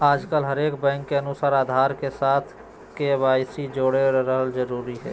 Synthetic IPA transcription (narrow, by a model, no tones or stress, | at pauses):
aːd͡ʒkəlɦəɾeːkbɛ̃ŋkːeənusaːɾaːd̪ʱaːɾkesaːt̪ʰ | keβaːjsid͡ʒoːɽeɾəɦəld͡ʒəɾuːɾiɦɛ̰ː